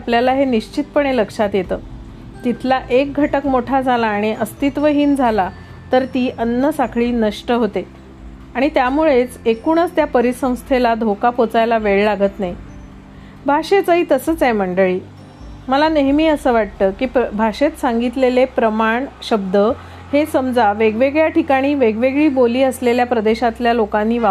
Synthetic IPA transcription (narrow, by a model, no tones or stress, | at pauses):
apljalaɦeniɕt͡ɕit̪̚pəɳ̃eləkʂat̪jet̪əː | t̪it̪ʰlaʔek̚ɡʱəʈəkmoʈʰad͡zʱalaːɽ̃iʔəst̪it̪ʋəɦiːnd͡zʱala | t̪əɾt̪iːʔənːəsakʰɭiːnəʂʈəɦot̪e | aɽ̃it̪jamuɭet͡sekuɳ̃əst̪japəɾisə̃w̃st̪ʰelad̪ʱokapot͡sajlaʋeɭlaɡət̪nai | bʱaɕet͡səɦiːt̪əsəːt͡sam̤əɳɖəɭiː | məlaneɦmiːəsəːʋaʈ̚t̪əːkiːbʱaʂet̪saŋɡit̪lelepɾəmaɳɕəb̚d̪ə | hesəmd͡zaʋeɡʋeɡɭjaʈikaɽ̃iːʋeɡʋeɡɭiːboliːəsleljapɾəd̪eɕat̪ljalokãnːiːʋa